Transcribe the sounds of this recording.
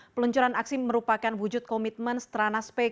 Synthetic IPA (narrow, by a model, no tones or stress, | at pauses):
pəluɲt͡ʃuɾanaksiməɾupakanwud͡ʒʊt̪̚kɔmit̪̚mənsə̥t̪əɾanaspɛ